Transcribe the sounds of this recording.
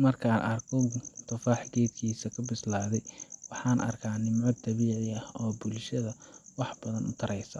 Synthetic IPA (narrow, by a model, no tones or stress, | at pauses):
mɐrkʰaːnʔɐrkʰɔt̪ʰɐfaːħɡɛːd̪kʰiːsɐkʰɐbɪslaːðɛjwɑħɑːnʔɐ̰rkʰaːnɪmʕɔd̪̚ɐβiːʕɪɐhɔːbʊlʃɐðɐwɑħbɐðɐnʊ̰t̪ʰɐɾɛjsɐ